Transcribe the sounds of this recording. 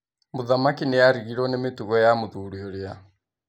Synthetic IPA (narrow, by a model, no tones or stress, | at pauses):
moðamakinejaɾiɣiɾɔnemetuɣɔjamoðuɾioɾea